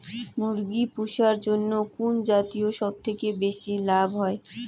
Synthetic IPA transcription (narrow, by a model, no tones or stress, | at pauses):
muɾɡipuʃaɾd͡ʑonːokund͡ʑat̪ioʃɔb̚t̪ʰekebeʃilabʱɦɔe